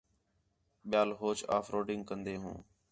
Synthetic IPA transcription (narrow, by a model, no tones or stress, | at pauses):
ɓɪjaːlɦoːt͡ʃa̰ːfʰɾoːɖɪ̃ŋɡkənd̪eːɦṵ̃ː